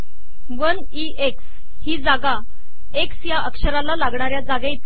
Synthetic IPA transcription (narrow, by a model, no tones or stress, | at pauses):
ʋən | iʔeks | hiːd͡zaɡa | eksjaʔəkʂəɾalalaɡɳaɾjad͡zaɡet̪